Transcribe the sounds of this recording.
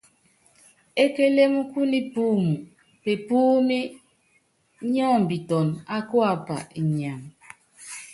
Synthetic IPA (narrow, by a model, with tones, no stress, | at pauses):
e˦ke˦le˦mu˦ku˦ni˦puː˦mu˨ | pe˨puː˦mi˦ | ɲɔː˦˨m˨bi˨tɔ˨na˦kwa˨pa̰˨i˨ɲa˨m